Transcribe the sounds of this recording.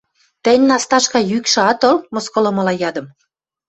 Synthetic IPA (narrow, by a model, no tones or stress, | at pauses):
t̪ə̆nʲnɑst̪ɑʃkɑjykʃɤ̆ɑt̪olmoskolŏmɤ̆lɑjɑd̪ə̆m